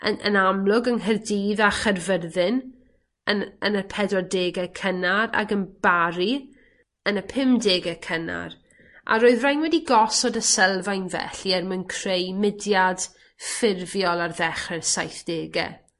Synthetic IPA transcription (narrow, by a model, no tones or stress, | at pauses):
əə̰namlˠʊɡənɦərdiːðaχərvərðɪn | ənənəpʰɛdɔdeːɡɛkʰənaɾa̰ɡənb̥aɾi | ənəpʰɪmdeːɡɛkʰəna̰r | ʔa̰ɾoɨðrajnwɛdiɡɔsɔdəsɛlˠvajnvɛ̰ɬiɛrmənkʰrejmɪdjad̥ | fɪrvjɔlˠarðɛχrɛrsajθd̥eːɡɛ̰